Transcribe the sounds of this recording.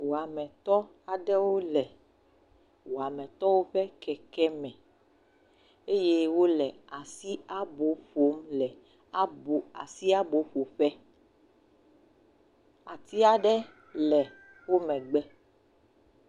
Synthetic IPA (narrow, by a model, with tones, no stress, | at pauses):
wo˨a˨mɛ̃˨t̪ɔ˦ | a˨ɖɛ˦wo˦lɛ˨ | wo˨a˨mɛ̃˨t̪ɔ˦wo˦ɸɛ˦kɛ˨kɛ˦mɛ̃˨ | e˦je˦wo˦lɛ˨a˨si˦a˦bo˨ɸo˨˦mlɛ˨ | a˦bo˨a̰˨si˦a˦bo˨ɸo˨ɸɛ˦ | a̰˨t̪i˦a˨ɖɛ˦ | lɛ˨ | wo˦mɛ̃˨ɡ͡bɛ˦